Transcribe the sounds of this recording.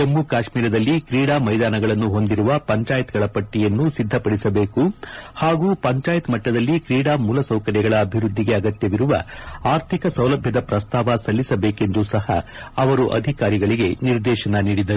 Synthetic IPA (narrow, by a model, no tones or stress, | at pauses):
emːukaːʃmiːɾɐd̪ɐlːikɾiːɽaːmɐjd̪aːnɐɡɐɭɐnːuɦo̞nd̪iɾuʋɐpɐɲt͡ʃaːjɐt̪ɡɐɭɐpɐʈːijɐnːusid̪ʱːɐpɐɽisɐbe̞ːkuhaːɡuːpɐɲt͡ʃaːjɐt̪mɐʈːɐd̪ɐlːikɾiːɽaːmuːlɐsɐwkɐɾjɐɡɐɭɐːbʱiɾud̪ʱːiɡe̞ɐɡɐt̪jɐʋiɾuʋɐ̰aːɾt̪ʰikɐsɐwlɐbʱjɐd̪ɐpɾɐst̪ʰaːʋɐsɐlːisɐbeːke̞nd̪usɐhɐ̰ɐʋɐɾuʔɐ̰d̪ʱikaːɾiɡɐɭiɡe̞niɾd̪ɛːʃɐnɐniːɽid̪ɐɾu